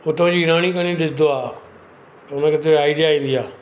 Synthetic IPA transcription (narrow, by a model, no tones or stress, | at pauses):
ʊt̪ːãːd͡ʒiːɡɪɾaːɽ̃ĩːkənĩːɖɪsd̪oaː | ʊnãːkət̪eaːiɖɪjaːĩːnd̪ijaː